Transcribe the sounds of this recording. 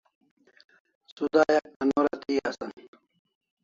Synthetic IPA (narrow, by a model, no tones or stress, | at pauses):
suzaːjɐk̚ɐnoːɾat̪iːasɐn